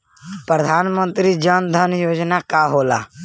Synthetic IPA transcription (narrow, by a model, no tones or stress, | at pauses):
pɾəd̪ʱaːnmə̃nt̪ɾid͡ʒənd̪ʱənjoːd͡ʒnakaɦoːla̰ː